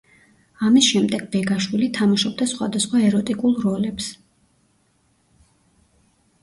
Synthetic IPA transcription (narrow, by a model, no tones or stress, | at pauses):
amisʃɛmd̪ɛɡ̥̚bɛɡaʃwilit̪ʰamaʃɔb̚d̪asχwa̰d̪asχwaɛɾɔt̪ʼikʼulˠɾɔlɛps